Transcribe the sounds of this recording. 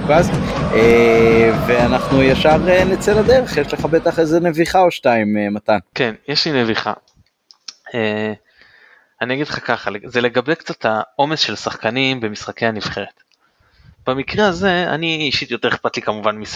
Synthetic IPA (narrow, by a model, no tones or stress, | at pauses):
kazte | veanaχnujaʃaʁenet͡selad̪eʁeχjeʃleχabet̪aχezeneviχaoʃtaimmat̪ankenjeʃline̞viχa̰ | e | aniaɡidχakaχalezele̞ɡabekt͡sat̪ʰao̞me̞sʃe̞lsaχkanimbe̞misχakejaniv̥χe̞ʁet̪ | b̥amikʁeaze̞a̰niːʃit̪jo̞t̪e̞eχpat̪likamuvanmis